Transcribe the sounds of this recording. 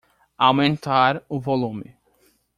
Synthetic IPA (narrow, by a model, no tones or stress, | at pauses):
awmẽnt̪aɾʊvolũmɪ